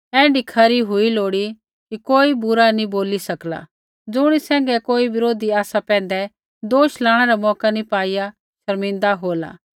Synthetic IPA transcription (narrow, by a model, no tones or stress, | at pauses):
ɛ̃ːɖɪkʰaɾiɦʊiloːɽi | kikoːibʊɾanĩboːlisɐkla̰ | d͡zʊɽ̃isɛ̃ːŋɡɛkoːibɪɾoːd̪iaːsapɛ̃ːnd̪ɛ | d̪oːʃlaːɽ̃ɛɾamɔːkanĩpaːija | ʃɐɾmɪ̃nd̪aɦoːla̰ː